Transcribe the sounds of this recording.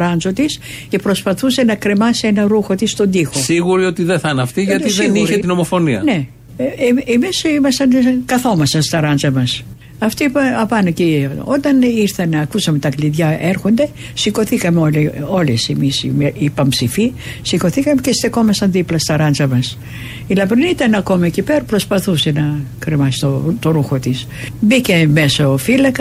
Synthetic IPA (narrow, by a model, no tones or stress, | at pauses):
ɾɐnzo̞t̪isce̞pɾo̞spɐθuse̞nɐkɾe̞mɐsienɐɾuxo̞t̪ist̪o̞nd̪ixo̞siɣuɾio̞t̪iðeθɐnɐft̪iʝɐt̪isðeniɾet̪ino̞mo̞fo̞niɐ̰ne̞ | emisimɐst̪ɐnkɐθo̞mɐsɐnst̪ɐɾɐnd͡zɐmɐs | ɐft̪ipɐɐpɐnocio̞t̪ɐniɾθɐnɐkusɐme̞t̪ɐkliðʝɐe̞ɾxo̞nd̪e̞ | siko̞θikɐmeolio̞lesemismeipɐmpsifisiko̞θikɐme̞cest̪eko̞mɐsɐnðiplɐst̪ɐɾɐnzɐmɐs | ilɐpɾinit̪ɐnɐko̞mɐecipeɾpɾo̞spɐθuse̞nɐkɾemɐsi̥t̪ot̪oɾuxo̞t̪is | bice̞me̞sofilɐkɐ